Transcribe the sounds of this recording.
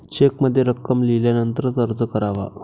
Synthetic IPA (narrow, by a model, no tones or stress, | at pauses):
t͡ɕekməd̪ʱːjeɾəkːəmliljanənt̪əɾt̪əɾd͡zəkəɾaʋa̰